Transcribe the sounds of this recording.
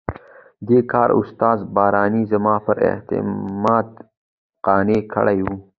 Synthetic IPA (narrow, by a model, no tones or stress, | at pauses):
d̪eːkʰɑːɾʊ̰st̪ɑːzbɑːɾɑːnizɐmɑːpəɾɪ̰ht̪ɪ̰mɑːd̪ | qɑːnekʰə̰ɽajwu